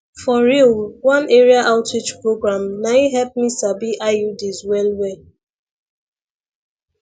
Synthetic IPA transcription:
fɔɹilwãneɹiaʔaʊtɹit͡ʃpɹoɡɹãmnaiɦɛlp̚misabiʔajudizwɛlwe

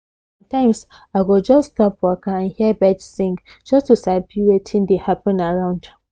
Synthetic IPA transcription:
sɔ̃mtãɪ̃ms | aɪɡod͡ʒɔststɔpwɔkaãnhiəbɛd͡ʒsĩŋɡ | d͡ʒʌstusabiɹetʰĩndehapə̃naɹãʊ̃nd

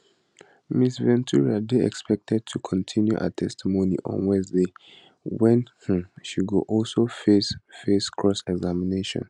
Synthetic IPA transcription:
misvɛ̃ntʰuɹiadeɛ̰kspɛk̚tʰɛd̚tʰukʰɔ̃ntʰĩnjuʔa̰tʰɛstʰimonḭʔɔ̰̃nwɛ̃nsde | wɛ̃nh̩ʃiɡoʔɔlsofesfeskʰɹɔsɛɡzamineʃɔ̰̃n

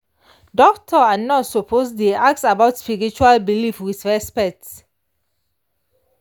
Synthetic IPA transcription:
dɔktʰəanɔtsɔpʰosdiak̚sabaʊtspiɹit͡ʃualbilifɹiθɹɛspɛk̚t

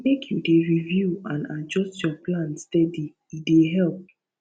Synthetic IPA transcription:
mekʰjudeɹivjuãnad͡ʒɔstjɔplãnstɛdi | judeɦɛlp̚

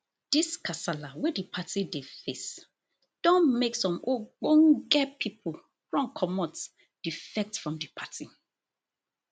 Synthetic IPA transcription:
d̥iskʰasalawɛdipʰatidefes | d̥ɔ̃nmeksɔ̃moɡ͡bõnɡɛpʰipʰul | fɹɔ̃mkʰɔmɔt | d̥ifɛk̚tfɹɔ̃mdipʰati

